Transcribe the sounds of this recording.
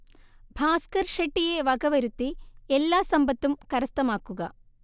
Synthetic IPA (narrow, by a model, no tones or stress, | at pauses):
bʱaːskɐɾʃɐʈːijeːʋɐɡɐʋɐɾut̪ːiɛlːaːsɐmbɐt̪ːumkɐɾɐst̪ɐmaːkuɡɐ